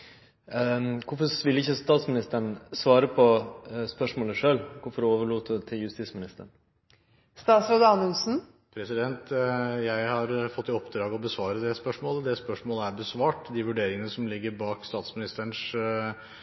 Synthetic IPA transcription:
kʊɾfɔʋɪlɪçːəst̪ɑːt̪smɪnɪst̪əɳsʋɑːɾəpʰɔspœʂmoːləʂøːlkʊɾfɔɾoːʋəɭuːt̪t̪ʰɪljʉst̪iːt̪smɪnɪst̪əɳ | st̪ɑːsɾoːd̪əɑnəlsn̩ | pʰɾɛsɪd̪ɛnt̪jæɪhɑɾfɔt̪ːɪɔpd̪ɾɑːɡɔbəsʋɑːɾəd̪ɛspœʂmoːləd̪ɛspœʂmoːləæɾbəsʋɑːʈd̪ɪʋʉɖeːɾɪŋənəsɔmlɪɡːəɾbɑːkst̪ɑːt̪smɪnɪst̪əɳʂ

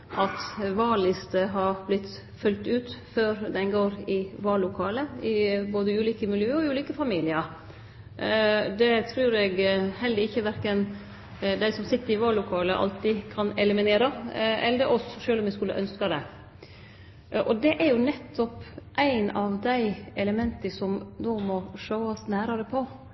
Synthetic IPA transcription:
ɑt̪ʋɑːɭɪst̪əɦɑɾblɪt̪ː | fʉlt̪ʉːt̪føːɾd̪ɛnɡoːɾɪʋɑːlːʊkʰɑːləɪboːd̪əʉːliːkəmɪljøːəɔʉːliːkəfɑmiːlɪəɾ | d̪ɛt̪ʰɾʉːɾɛɡhɛld̪əɪçːəʋæɾkən | d̪æɪsɔmsɪt̪ːəɾɪʋɑːɭːʊkʰɑːləʔɑ̰lt̪ɪkʰɑnɛləmɪneːɾɑɛld̪əʔɔsʃøːlɔmɪskʉlə̰ʔœnskɑd̪ɛ | ʔɔd̪ɛʔæɾjʊnɛt̪ʰːɔpʔæɪnɑʋd̪æɪʔɛləmɛnt̪əsɔmnoːmɔʂoːɑsnæːɾɑɾəpʰɔ

